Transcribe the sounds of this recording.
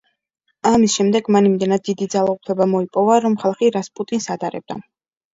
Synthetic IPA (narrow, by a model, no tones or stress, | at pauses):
amisʃɛmd̪ɛɡmanimd̪ɛnad̪̚ːid̪id̪zalˠaupʰlɛbamɔipʼɔvaɾɔmχalˠχiɾaspʼut̪ʼinsad̪ʼaɾɛ̰b̚d̪a